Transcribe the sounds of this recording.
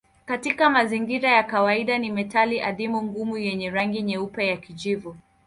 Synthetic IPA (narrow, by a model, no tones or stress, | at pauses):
katikamaziŋɡiɾajakawaiɗanimɛtaliʔaðimuŋɡumujɛɲɛɾaŋɡiɲɛupajakid͡ʒivu